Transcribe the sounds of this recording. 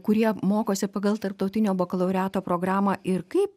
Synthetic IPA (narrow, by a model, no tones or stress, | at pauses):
kʊɾʲiɛmoːkoːsʲɪpɐɡɐlˠt̪ɐɾp̚t̪ɐʊt̪ʲɪnʲoːboːkɐlˠɐʊɾʲæːt̪oːpɾoːɡɾɑːmɐːɪɾkɐɪp